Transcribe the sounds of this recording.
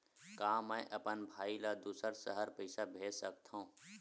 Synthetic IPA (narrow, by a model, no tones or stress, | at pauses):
kãːmə̃ʔɐpənbʱaːilad̪uːsəɾsəɦəɾpəɪsabʱeːd͡ʒsək̚t̪ʰã